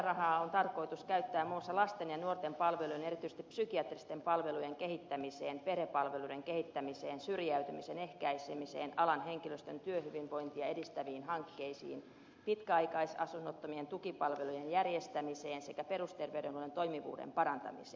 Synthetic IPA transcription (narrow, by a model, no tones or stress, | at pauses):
rɑhɑːont̪ɑrkoit̪uskæyt̪ːæːmmuːsːɑlɑst̪enjɑnuort̪empɑlʋelujene̞ɾit̪yise̥st̪ipsykiɑt̪rist̪empɑlʋelujeŋkehit̪ːæmiseːnpeɾepɑlʋeludeŋkehit̪ːæmiseːnsyrjæyt̪ymisenehkæisemiseːnɑlɑnɦeŋkiløst̪ønt̪yøhyʋiʋʋoint̪iɑedist̪æʋiːnɦɑŋkːeisḭːn | pit̪kæɑikɑisɑsunːot̪ːomient̪ukipɑlʋelujenjærjest̪æmiseːnsekæperust̪erʋeyɾenhuolent̪o̞imiʋṵːdḛmpɑɾɑnt̪ɑ̰mise̥̰ːn